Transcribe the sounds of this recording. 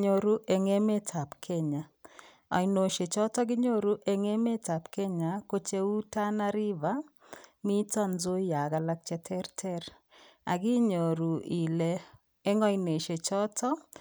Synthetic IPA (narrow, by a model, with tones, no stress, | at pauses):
ɲo˦ɾu˦ʔe˨ŋe˦me˦tʰa˨pkʰɛ˦ɲa˨ | ɔ̰˨jno˨ʃe˨t͡ʃɔ˦tɔ˦ɡɪ˦ɲo˦ɾu˦ʔe˨ŋe˦me˦ta˨pkɛ˦ɲa˨ko˦t͡ʃe˦u˦ta˦na˦ɾi˦va˦ | mi˦tɔ˦nzo˦ja˨ɡa˨la˦k̚t͡ʃɛ˨tʰɛ˦ɾtʰɛ˦ɾ | a̰˨ɡi˦ɲo˨ɾu˨i˨lɛː˨˦ | ŋɔ˦jne˨ʃe˨t͡ʃɔ˦tʰɔ˦